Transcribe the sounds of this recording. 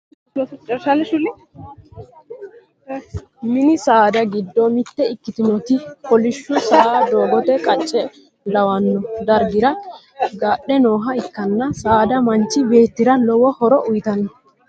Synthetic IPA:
t͡ʃʼɐɾʃalʃʊlɪ | mɪnɪsaːd̪ɐɡɪd̪ːɔmɪt̪ːɛɪkːɪt̪ɪnɔt̪ɪpɔlɪʃːʊsaad̪o̞ːɡɔt̪ɛkʼɐt͡ʃʼːɛ | lɐwɐnːɔd̪ɐɾɡɪɾɐ | ɡaɗːɛno̞ːɦɐɪkːɐnːɐsaːd̪ɐmɐnt͡ʃːɪbe̞ːt̪ːɪɾɐlɔwɔhɔɾɔʔʊjt̪ɐn

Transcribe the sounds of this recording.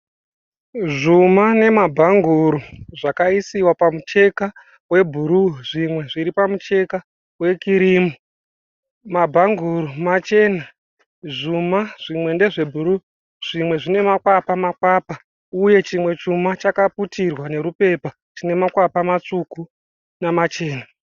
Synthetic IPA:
ʐumane̞mabʱaŋɡuɾuʐakaisiwapamut͡ʃe̞ka | we̞bʱuɾuʐimwe̞ʐiɾipamut͡ʃe̞ka | we̞kiɾiːmu | mabʱaŋɡʱuɾumat͡ʃe̞ːna | ʐumaʐ̥imwe̞nde̞ʐe̞bʱuɾu | ʐ̥imwe̞ʐine̞makwapamakwaːpa | uje̞t͡ʃimwe̞t͡ʃumat͡ʃakaputʰirwane̞ɾupe̞pa | t͡ʃine̞makwapamat͡suku | namat͡ʃe̞ːna

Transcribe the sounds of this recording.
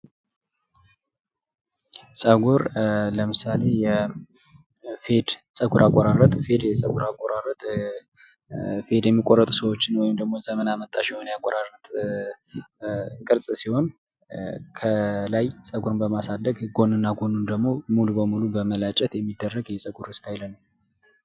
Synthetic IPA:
sʼəɡuɾləmɨsale̞jɛ | fe̞d̪sʼəɡuɾʔakʼːɔɾarːət̪ʼfe̞d̪jɛsʼəɡuɾakʼːoɾarət̪ʼ | fe̞d̪jɛmːikʼorːət̪ʼusəwot͡ʃːɪnwɔjɪmd̪əɡmo̞zəmənamət̪ʼːaʃiho̞njakʼoɾarət̪ʼ | kʼɨɾsʼsiho̞n | kʰəlajsʼəɡuɾɨbəmasad̪əɡɡo̞nɨnːaɡo̞nund̪əɡmo̞mulubəmulubəməlat͡ʃʼɛt̪jɛmːid̪ːərːəɡjɛsʼəɡuɾɨst̪ʰajlənəw

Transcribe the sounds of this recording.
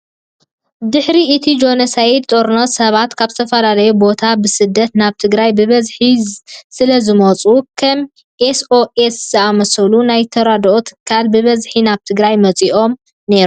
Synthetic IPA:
d̪ɨħɾiɨt̪ʰid͡ʒo̞nɐsajid̪t̪ʼoɾnosɐβat̪kʰaβzɨt̪ʰɐfɐlalɐjubo̞t̪ʰabɨsɨd̪ːɐt̪naβt̪ʰɨɡɾajbɨβɐzħisɨlɐzɨmot͡sʼukʰɐm | ʔesoʔesz̥ɨamɐsɐlunajt̪ʰɐɾad̪ʔot̪ʰɨkʰalbɨβɐzħinaβt̪ʰɨɡɾajmɐt͡sʼiʔo̞m | ne̞ɾu

